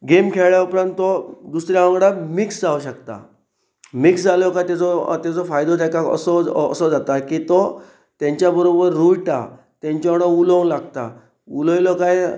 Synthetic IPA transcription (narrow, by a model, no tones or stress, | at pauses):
ɡemkʰeɭɭjaupɾãnt̪t̪ːɔd̪usɾjaãŋɡɽamiksd͡zauɕəkt̪a̰ | miksd͡zalɔkajt̪at͡sɔt̪jat͡sɔfajd̪ɔt̪akakə̰sɔə̰sɔd͡zat̪akiːt̪o | t̪jãɲt͡ɕjabəɾobəɾːuiʈa̰ | t̪jãɲt͡ɕaɽəulɔlaɡt̪a̰ | ulojlɔkaj